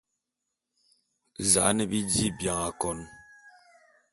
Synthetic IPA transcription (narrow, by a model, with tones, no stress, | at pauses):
za̰˨˦nɛ˨bi˦di˦˨bja˨ŋa˨kɔ˨˦n